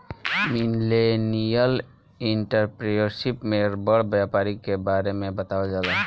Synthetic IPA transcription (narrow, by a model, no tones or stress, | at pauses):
minlenijəl | iɳʈəɾpɾejəɾʃipmeɾbəɽbjapaːɾikːebaɾemẽbət̪aed͡ʒala